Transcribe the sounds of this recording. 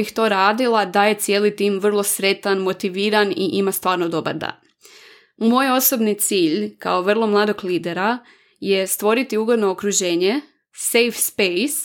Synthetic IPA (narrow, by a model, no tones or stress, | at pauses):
ixt̪o̞ɾaːd̪ilˠad̪aje̞t̪sʲje̞ːlit̪iːmʋr̩lˠo̞sɾe̞t̪anmo̞t̪iʋiːɾaniʔimast̪ʋaːɾnod̪oba̰ɾd̪a̰n | mo̞jo̞so̞bnit̪siːʎka̰oʋr̩lˠo̞mlˠaːd̪o̞ɡliːd̪eɾa | je̞st̪ʋo̞ɾit̪iuːɡo̞d̪no̞okɾuʒe̞ːɲe̞ | sejfspejs